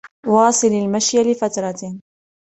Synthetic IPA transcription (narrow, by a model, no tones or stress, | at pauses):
wɑːsˤɨlalmaʃjalɪfat̪ɾˤɑ